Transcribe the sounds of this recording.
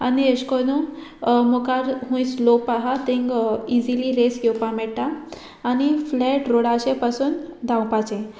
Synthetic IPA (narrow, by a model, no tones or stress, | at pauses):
a̰nieɕkonumokaɾɦũjslopaɦat̪ẽŋɡid͡ziliɾesɡopamɛɽʈaː | niflɛʈɾoɽaɕepasuːnd̪ʱãwpat͡ɕẽ